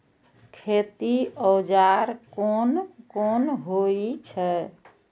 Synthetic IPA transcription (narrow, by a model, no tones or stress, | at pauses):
kʰet̪iɔd͡ʒaɾkonkonɦoit͡ʃʰɛ